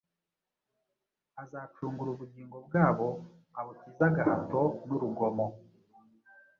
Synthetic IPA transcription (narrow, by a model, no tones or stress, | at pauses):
azaːt͡ʃuːŋɡuɾuβuɟiːŋɡo̞b̚ɡaːβo̞ | aβutiːzaɡahato̞nuɾuɡo̞mo